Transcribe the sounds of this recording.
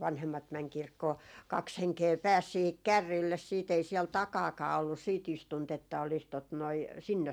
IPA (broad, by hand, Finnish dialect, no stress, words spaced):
ʋɑnhemːɑt mɛŋ kirkːoː kɑks heŋkeː pæːs siːhik kærːiːlːes siːt ei siɛl tɑkɑːkɑː olːus siːt istunt etːæ olis tot noi sinːes